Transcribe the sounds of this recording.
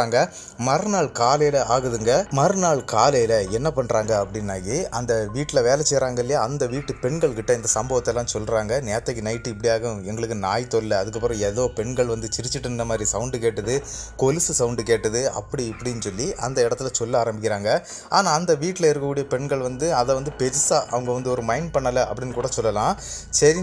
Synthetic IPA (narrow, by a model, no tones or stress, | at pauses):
aːŋɡɐ | mɐɾnaːɭkaːlɐjɪlɐʔaːɣɯðɯŋɡɐmɐɾɯnaːɭkaːlɐjɪlɐɛnːɐpɐɳːɾaːŋɡɐɐpːɐɽɪnːaːjeʔɐnd̪ɐʋiːʈːɪlɐʋeːlɛt͡ʃːɛjɾaːŋɡɐɪlːɪjaːɐnd̪ɐʋiːʈːɯpɛɳɡɐɭkɪʈːɐɪnd̪ɐsɐmbɐʋɐt̪ːɛlːãːsɔlːɾaːŋɡɐneːt̪ːɐɣinɐɪʈːɯɪpːɐɽɪjaːɣɐ̃ɛŋɡɐɭɯkːɯnaːjt̪ɔlːɐɐðɯk̬ːɐpːɪɾɔ̃ɛðoːpɛɳɡɐɭʋɐnd̪ɯt͡ʃɪɾɪt͡ʃːɪʈːɯnnːɐmaːd̪ɾisɐʊɳɖɯkeːʈːɐðɯkolɪsɯsɐʊɳɖɯkeːʈːɐðɯɐ̰pːɐɽiɪpːɐɽɪjnːsɔlːiʔɐ̰nd̪ɐɪɽɐt̪ːɪlɐsɔlːɐaːɾɐmbɪkːɪɾaːŋɡɐ | aːnaːɐnd̪ɐʋiːʈːɪlɐɪɾɯk̬ːɐkuːɽɪjɐpɛɳɡɐɭʋɐnd̪ɯɐðɛʋɐnd̪ɯpɛɾɪsaːʔɐʋɐŋɡɐʋɐnd̪ɯɔɾɯmɐɪɳɖpɐɳːɐlɐʔɐpːɐɽɪnːkuːɽɐsɔlːɐlãːsɐɾɪ